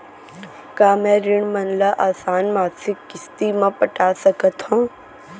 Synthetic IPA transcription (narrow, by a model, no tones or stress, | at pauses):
kaːmɛ̃ːɾɪɳ̃mɐnlaʔaːsaːnmaːsɪkːɪst̪imãpəʈaːsəkət̪ɦõː